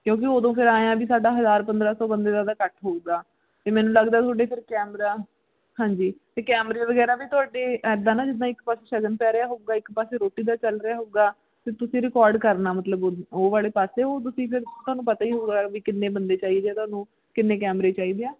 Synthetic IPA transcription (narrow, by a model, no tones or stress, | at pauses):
kjõːk̬ɪoːd̪õːpʰɪɾaːejãːbiːsaːɖaːɦəzaːɾpənd̪ɾaːsɔːbənd̪eːd̪aːd̪aːkəʈʰɦoːɡaː | t̪eːmɛːnũːləɡd̪aːt̪ʰʊaːɖeːpʰɪɾkɛːmɾaː | hãːɲd͡ʒiːt̪eːkɛːmɾeːʋəɡɛːɾaːbiːt̪ʊaːɖeːɛːd̪aːnaːd͡ʒɪd̪ãːɪkpaːseːʃəɡənpɛːɾejaːɦoːɡaːɪkpaːseːɾoːʈiːd̪aːt͡ʃəlɾɪjaːɦoːɡaː | t̪eːt̪ʊsĩːɾɪkɔːɾɖkəɾnaːmət̪ləboːʋaːleːpaːseːoːt̪̬ʊsĩːpʰɪɾt̪ʊaːnũːpət̪aːiːɦoːɡaːʋiːkɪnːẽːbənd̪eːt͡ʃaːiːd̪eaːt̪ʊaːnũː | kɪnːeːkɛːmɾeːt͡ʃaːiːd̪eːaː